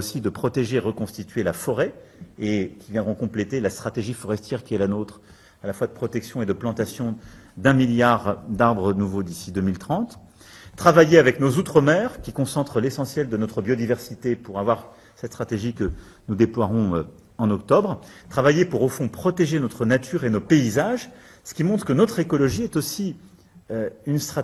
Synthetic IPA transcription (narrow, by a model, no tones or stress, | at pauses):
osid̪əpχɔt̪eʒeʁəkɔ̃st̪it̪ɥelafɔʁɛekʲivjɛ̃d̪ʁɔ̃kɔ̃plet̪elast̪χat̪eʒifɔʁɛst̪jɛʁkʲiɛlanot̪χ | alafwad̪əpχɔt̪ɛksjɔ̃ed̪əplɑ̃t̪asjɔ̃d̪ɛ̃miljaʁd̪aʁbʁənuvod̪isid̪ømilt̪χɑ̃t̪ː | χavajeavɛknozut̪χəmɛʁkʲikɔ̃sɑ̃t̪χəlesɑ̃sjɛld̪ənɔt̪χəbjɔd̪ivɛʁsit̪epuʁavwaʁ | sɛt̪st̪χat̪eʒikə | nud̪eplwaʁɔ̃ø | ɑ̃nɔk̚t̪ɔbʁt̪χavajepuʁofɔ̃pχɔt̪eʒenɔt̪χənat̪ʰyʁenopeizaʒ | sə̥kʲimɔ̃t̪χəkənɔt̪χekɔlɔʒiɛt̪osi | øynst̪χa